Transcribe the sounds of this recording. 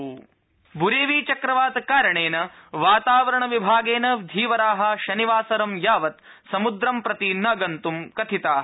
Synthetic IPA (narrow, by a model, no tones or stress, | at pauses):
bʱuɾeːʋiːt͡ʃɐkɾɐʋaːt̪kaːɾɐɳeːnɐʋaːt̪aːʋɐɾɐɳɐʋibʱaːɡeːnɐd̪ʱiːʋɐɾaːɦɐ̆ʃɐniʋaːsɐɾɐmjaːʋɐt̪ | sɐmud̪ɾɐmpɾɐt̪inɐɡɐnt̪umkɐt̪ʰit̪aːɦɐ